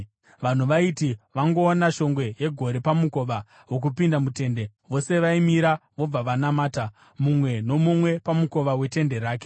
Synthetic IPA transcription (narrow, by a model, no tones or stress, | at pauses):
ʋan̤uʋaitiʋaŋɡo̞ːnaʃo̞ŋɡwe̞je̞ɡʱo̞ɾe̞pamuko̞ʋa | wok̬upindamute̞ːnde̞ | ʋo̞se̞ʋaimiɾaʋo̞b͡vaʋanamaːta | mumwe̞no̞mumwe̞pamuko̞ʋawe̞te̞nde̞ɾaːk̬e̥